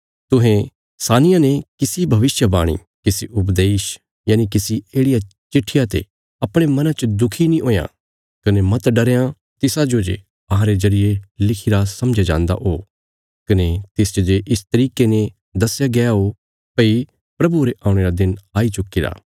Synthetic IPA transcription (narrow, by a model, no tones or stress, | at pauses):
t̪ʊɦẽ | saːnɪjanekɪsibʱɐʋɪsjəbaːɽ̃ḭ | kɪsiʔʊp̬d̪eːʃ | jaːnikɪsieːɽɪja | t͡ʃɪʈʰːɪjat̪ḛ | ɐpɽ̃emɐ̃nãt͡ʃɐd̪ʊkʰinĩʔoːjã̰ | kɐnemɐt̪ɖɐɾejã | t̪ɪsad͡ʒod͡ʒḛ | ɐɦãɾezɐɾɪjelɪkʰiɾasɐmd͡ʒad͡ʒã̰ːnd̪a̰ʔɦoː | kɐnet̪ɪst͡ʃd͡ʒeʔɪst̪ɐɾiːkene | d̪ɐsjaɡɛjaɦo | pɐi | pɾɐbuɾeʔaːʊ̃ɽ̃eɾad̪ɪnaːit͡ʃʊkːiɾa̰ː